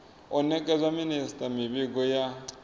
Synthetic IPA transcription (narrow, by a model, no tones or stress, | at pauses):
ɔnɛk̬ʼɛzwaministʼamiɓik̬ɔja